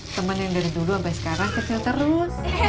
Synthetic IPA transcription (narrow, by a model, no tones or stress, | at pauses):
t̪əmənjaŋdaɾiduluapasə̥kaɾaŋkət͡ʃilt̪əɾʊs